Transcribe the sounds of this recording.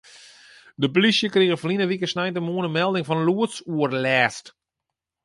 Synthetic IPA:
dəp̬olisjəkriɣəflinəʋikəsnɛjntəmuənəmɛlˠdɪŋfɔnluətsuərlɛːst

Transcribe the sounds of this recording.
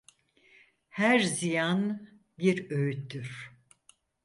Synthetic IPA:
hæɾzijan | biɾøjyt̪ːyɾ̥

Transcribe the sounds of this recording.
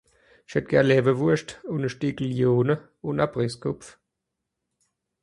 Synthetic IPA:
ɪʃhɛt̚ɡ̥ɛɐnlɛːvəvuɐʃtʊnəʃtiːkəljoːnə | ʊnab̥ʁɪskʰʊpf

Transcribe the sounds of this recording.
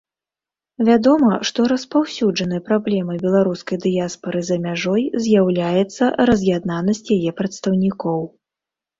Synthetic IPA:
vʲad̪ɔmɐʂt̪ɔɾɐspawsʲud͡ʐɐnɨjɐpɾablʲɛmɐjbʲɛlˠaɾuskɐjd̪ɨjaspɐɾɨzɐmʲaʐɔjzʲjawlʲajɛt̪sːɐɾɐzʲjad̪nanɐsʲt͡sʲjajɛpɾɐt̪st̪ɐwnʲikɔw

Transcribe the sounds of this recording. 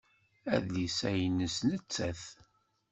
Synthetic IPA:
æðlisæjnəsnət͡sːæθ

